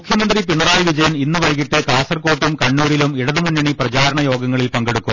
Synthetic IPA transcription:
ukʰjɐmɐnd̪ripiɳːɐraːjiʋid͡ʑɐjɐninːɨʋɐjkiʈːekaːsɐrko̞ːʈːumkɐɳːuːɾilumiɽɐðumunːɐɳiprɐt͡ɕaːɾɐɳɐjo̞ːɡɐŋːɐɭilpɐŋɡeɽukːu

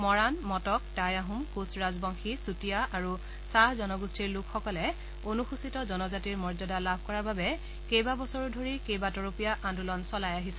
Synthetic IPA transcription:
mɔɹanmɔtɔk̚tajaɦumkusɹazbɔŋxisutijaʔaɹu | sahzɔnɔɡustʰiɹlʊkʰxɔkɔlɛ | onuxusitɔzɔnɔzatiɹmɔɹzɔdalabʱkɔɹaɹbabɛ | kejbabɔsɔɹudʱoɹikejbatɔɹopijaʔãndulɔnsɔlajaɦisɛ̥

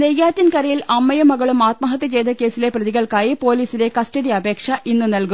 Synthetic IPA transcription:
nejːaːtːɐnkɐɾɐjilɐmːɐjɐmːɐɣɐɭumaːt̪̚mɐɦɐt̪ːit͡ɕe̞jd̪ɐke̞ːsile̞prɐðiɣɐɭkaːjipo̞ːliːsile̞kɐstɐɽijɐɐbʱe̞ːkʂɐʔinːɨnɐlku

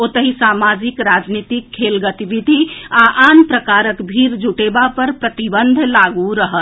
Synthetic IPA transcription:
ot̪əɦisamad͡ʒikɾad͡ʒnit̪ikʰːelɡət̪ibid̪ʱiaʔanpɾəkaɾəkbʱiɾd͡ʒuʈebapəɾpɾət̪ibənd̪ʱlaɡuɾəɦət̪

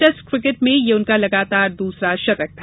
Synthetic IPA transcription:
ʈɛskɾɪkɪʈmẽjeʊnkalɐɡaːt̪aːɾd̪uːsɾaʃɐɾək̚t̪ʰː

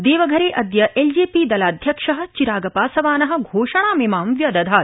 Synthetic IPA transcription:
d̪eːʋɐɡʱɐɾeːʔɐd̪jɐʔeːld͡ʒiːpiːd̪ɐlaːd̪ʱjɐkʂɐɦɐ̆t͡ʃiɾaːɡɐpaːsɐʋaːnɐɦɐ̆ɡʱoːʂɐɳ̃aːmemaːmʋjɐd̪ɐd̪ʱaː

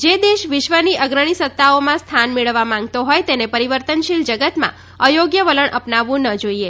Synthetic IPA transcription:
d͡ʒed̪eʃʋɪʃʋəniʔəɡɾəɽ̃isət̪ːaomãst̪ʰanmeɭəʋːamãŋ̆ɡt̪oɦojt̪enepəɾiʋəɾt̪ənʃild͡ʒəɡət̪mã̰ | əjoɡjəʋələɳʔəpnaʋːũnəd͡ʒoie

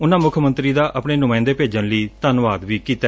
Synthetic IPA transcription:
ʊnãːmʊkʰmə̃nt̪ɾiːd̪aːʔəpɳeːnʊmãːɪ̃nd̪eːpeːd͡ʒənliːt̪ənʋaːd̪ʋiːkiːt̪a

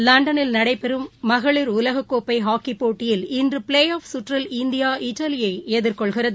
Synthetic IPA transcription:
lɐɳɖɐnɪlnɐɽɐɪpɛɾɯmːɐɣɐɭɪɾʊlɐɣɐkːoːpːɐɪɦaːkːipːoːʈːɪjɪlɪndrɯpɪleːjaːfsʊʈrɐlɪnd̪ɪjaːʔɪʈːɐlɪjɐɪeðɪɾkɔɭɣɪrɐðɯ

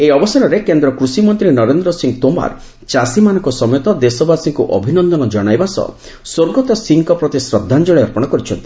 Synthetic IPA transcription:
eɔbɔsaɾɔɾekend̪ɾɔkɾusimɔnt̪ɾinɔɾend̪ɾɔsiŋɡt̪oma̰ɾ | t͡ʃasimanɔ̃ŋkɔsɔmjɔt̪ɔd̪esɔbasiŋkuʔɔ̰bʱinɔnd̪ɔnɔd͡ʒɔɽ̃ajbasɔ̰ | soɾɡɔt̪ɔsiŋkɔpɾɔt̪isɾɔd̪ʱːand͡ʒɔɭ̃eɔɾpɔɽ̃ɔkɔɾit͡ʃʰɔnt̪i̥

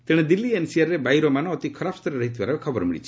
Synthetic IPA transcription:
t̪eɽ̃ed̪ilːiensiaɾːebajɾɔmanɔ̃ːt̪ikʰɔɾapʰst̪ɔɾeɾɔɦit̪ibaɾabekʰɔbɔɾmiɭḭt͡ʃʰi̥

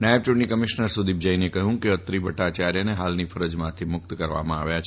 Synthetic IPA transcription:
najəb̚t͡ʃʊʈnikəmiʃnəɾsud̪ib̚d͡ʒəinekəɦjũkeət̪ɾibʱəʈat͡ʃaɾjəneɦalnifəɾəd͡ʒmãt̪ʰimʊk̚t̪kəɾʋa̰mãaʋjat͡ʃʰ

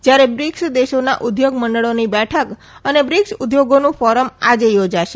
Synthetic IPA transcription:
d͡ʒjaɾebɾɪksd̪eʃona̰ʔʊd̪joɡməɳɖəɭonibɛʈʰək | ənebɾɪksud̪joɡonũfɔɾəmad͡ʒejod͡ʒaʃe

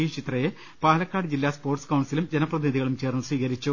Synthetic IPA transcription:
it͡ɕit̪rɐje | paːlɐkːaːɽɨd͡ʑilːaːspo̞ːrʈskɐwɳɖsilumd͡ʑenɐprɐðiniðiɣɐɭumt͡ɕe̞ːrnːɨsʋiːkɐɾit͡ɕːu

